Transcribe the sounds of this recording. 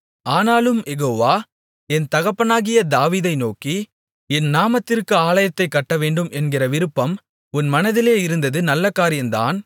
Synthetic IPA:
aːnaːlɯmjɛɣoːʋaː | ɛnt̪ɐɣɐpːɐnaːɣɪjɐd̪aːʋiːðɐɪnoːki | ɛnnaːmɐt̪ːɪrkɯaːlɐjɐt̪ːɐɪkːɐʈːɐʋeːɳɖɯmʔɛnɡɪrɐʋɪɾɯpːɐm | ʊnmɐnɐðɪleːɪɾɯnd̪ɐðɯnɐlːɐkaːɾɪjɐnd̪a̰ːn

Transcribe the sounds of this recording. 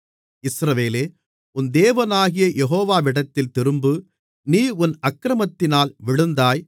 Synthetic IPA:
ɪsɾɐʋeːleː | ʊnd̪eːʋɐnaːɣɪjɐjʔɛɦoːʋaːʋɪɽɐt̪ːɪlt̪ɪɾɯmbɯ | niːʊnɐkːɾɐmɐt̪ːɪnaːlʋɪɭɯnd̪aːj

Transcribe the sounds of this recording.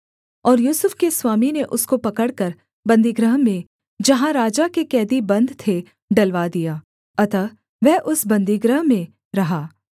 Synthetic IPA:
ɔːɾjuːsʊfkeswaːmineʔʊskopɐkəɽkɐɾ | bɐ̃nd̪ʱiɡɾəɦmẽ | d͡ʒɐɦãɾaːd͡ʒakekɛːd̪ibɐ̃nd̪ʱt̪ʰe | ɖɐlʋad̪ijaː | ɐt̪a | ʋɛɦʔʊsbɐ̃nd̪iɡɾəɦmẽ | ɾɐɦaː

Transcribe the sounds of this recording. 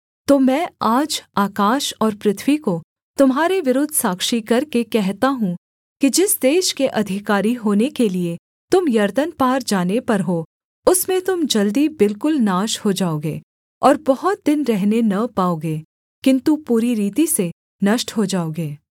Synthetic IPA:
t̪oːmɛ̃ːaːd͡ʒaːkaːʃɔːɾpɾɪt̪ʰwiko | t̪ʊmɦaːɾeʋɪɾʊd̪ʱsaːkʃikɐɾkekɛɦt̪aɦũ | kid͡ʒɪsd̪eːʃkeʔɐd̪ʱɪkaːɾiɦoːnekelie | t̪ʊmjɐɾd̪ənpaːɾd͡ʒaːnepɐɾɦoː | ʊsmẽt̪ʊmd͡ʒɐld̪ibɪlkʊlnaːʃhod͡ʒaːoːɡḛː | ɔːɾbɐɦʊt̪̚d̪ɪnɾɛɦnenɐpaːoːɡeː | kɪ̃nt̪upuːɾiɾiːt̪ise | nɐʃʈɦod͡ʒaːoːɡeː

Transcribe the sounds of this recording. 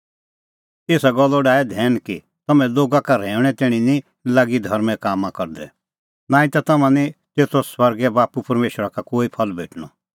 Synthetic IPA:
eːsaɡɔlːɔɖaːɛd̪ʱɛːnki | t̪ɐmɛ̃loːɡakaɾɛ̃ːʊɽ̃ɛ̃t̪eːɽ̃ini | laːɡid̪ʱɐɾmɛ̃kaːmãkɐɾd̪ɛ̰ | nãːĩt̪at̪ɐmãnit̪eːt̪ʰoswɐɾɡɛbaːpupɐɾmeːʃəɾakakoːipʰɐlbḛːʈʰɽ̃ɔ

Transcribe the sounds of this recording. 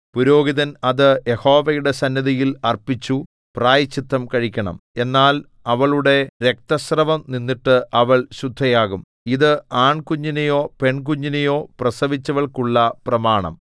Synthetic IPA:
puɾo̞ːɡiðɐnɐðɨjeho̞ːʋɐjuɽe̞sɐnːɐðijilɐrpit͡ɕːu | praːjɐt͡ɕːit̪ʰːɐmkɐɻikʲːɐɳɐ̰me̞nːaːl | ɐʋɐɭuɽe̞ɾe̞k̚t̪ɐsrɐʋɐmninːiʈːɨʔɐʋɐɭɕud̪ʱːɐjaːɣum | iðɨaːɳkuɲːinɐjo̞ːpe̞ɳk̬uɲːinɐjo̞ːprɐsɐʋit͡ɕːɐʋɐɭkuɭːɐprɐmaːɳɐ̰m

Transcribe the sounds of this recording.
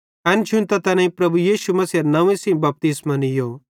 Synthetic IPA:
ɐnt͡ʃʰũnt̪ɐt̪ɐnɐ̃ĩpɾɐbujiːʃumɐsiɐɾnɐʋẽsĩmbɐp̚t̪ismɐ̃nijo

